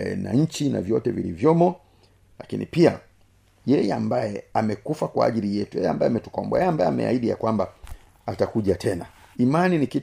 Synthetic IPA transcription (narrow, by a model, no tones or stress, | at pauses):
na̰ɲ̩t͡ʃina̰vjɔtɛvilḭvjɔmɔ | lakinʔḭpia | jɛjɛambajɛamɛkufakwaaʄilijɛtujɛjɛambaɛamɛtu̥kɔmbwa̰jɛambajɛamɛ̰a̰iɗija̰kwamba | atakuʄatʰɛna | imaniniki